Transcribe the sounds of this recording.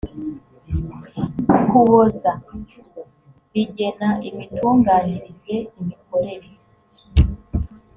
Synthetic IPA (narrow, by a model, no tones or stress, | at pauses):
kuβoza | βiɟe̞naʔiβituːŋɡaːniɾbje̞imiko̞ɾe̞ɾi